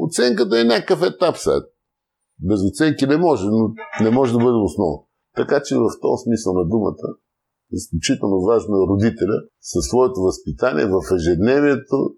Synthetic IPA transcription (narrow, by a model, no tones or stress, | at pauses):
ot̪sɛŋkət̪̬əɛnʲakəfɛt̪apsa̰ɛt̪̚ | bɛzʊt̪sɛŋkinɛmɔʒɛnonɛmɔʒɛd̪ɐbɤd̪ɛʊsnɔvn | t̪ɐkat͡ʃɛvɐft̪ɔ̰smisəlˠnɐd̪umə̰t̪ə | isklʲut͡ʃit̪ɛlˠnovaʒnoɛɾʊd̪it̪ɛlʲəsɐsːvɔɛt̪ovɐspit̪anḭɛ̰vəfɛʒɛd̪nɛviɛt̪o